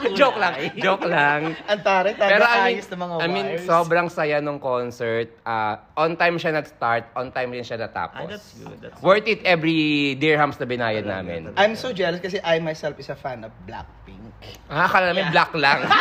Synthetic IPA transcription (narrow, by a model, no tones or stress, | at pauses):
d͡ʒoklɐŋd͡ʒoklaŋɐnt̪aːɾɐt̪apɛːɾoʔɐmĩsnɐmɐŋaɐjminsobɾɐŋsɐjanoŋkonsɛɹt̪̚ʔaːʔont̪ajmʃanɐɡst̪aɹt̪̚ʔɔnt̪ajmɾɪnʃanɐt̪a̰ːpo̰swɛɹt̪it̪ɛvɾid̪iɹhamsnɐbɪnaːjɐd̪nːa̰ːmɪ̰nʔɐjmsod͡ʒɛlɐskɐsɛʔɐjmajsɛlfɪsɐfanɐfbla̰k̚piŋkʔakɐlalɐmɛblaklɐŋ